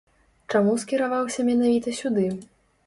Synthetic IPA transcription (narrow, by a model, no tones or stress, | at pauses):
t͡ʂamuskʲiɾavawsʲɐmʲɛn̪avʲit̪ɐsʲud̪ɨ